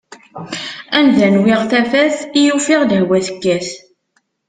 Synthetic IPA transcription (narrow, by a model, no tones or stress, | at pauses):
ænðænwɪʁθæfæθijufɪʁd̪əhwæθə̥kːæs